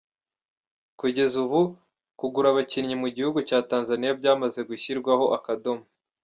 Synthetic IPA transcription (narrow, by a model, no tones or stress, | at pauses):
kuɟe̞zuβu | kuɡuɾaβaciɾɲimuɟihuɡucaːtaːnzanijabɟaːmazeɡuçiɾɡwaho̞ʔakado̞mu